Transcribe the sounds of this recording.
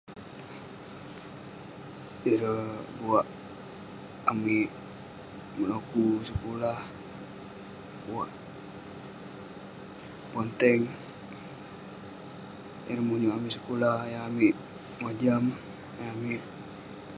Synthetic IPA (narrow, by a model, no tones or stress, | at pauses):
iɾəbuaʔ | amiʔ | mənokusəkolah | buwaʔ | pont̪ɛŋ | iɾəmuɲuʔamiʔsə̥kolahjaamiʔ | mad͡ʒam | jaamiʔ